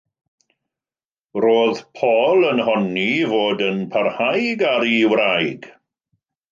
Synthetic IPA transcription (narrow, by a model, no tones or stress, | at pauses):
roːðpʰɔːlˠənɦɔnivoːdənpʰarhajɡaɾiwɾajɡ̥